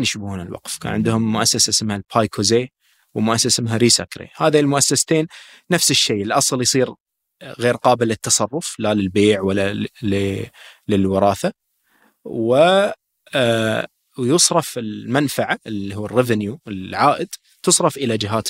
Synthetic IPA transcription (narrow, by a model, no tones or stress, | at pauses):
njʃbhuːnɪlwɑ̰qfkʰa̰ːnʕɪnd̪hʊmːʊʔasːasasɪmhalpʰajkʰozeː | wmʊʔasːasɪmɦaɾiːsa̰kɾḛhaːðilmʊʔasːast̪eːnː | afsɪʃːejɪlʔɑsˤljsˤiːɾ | ɣeːɾqɑːbɪlːɪt̪ːɑsˤɑrˤːʊflalɪlbeːʕwalːal | lɪlwɪɾˤɑːθa | wɪ | jɨsˤɾˤɑfɪlmanfaʕaɪlihuːrːɪvɪnjuɪlʕaːʔɪd̪ | t̪ɨsˤɾˤɑfʔɪlad͡ʒɪɦaːt̪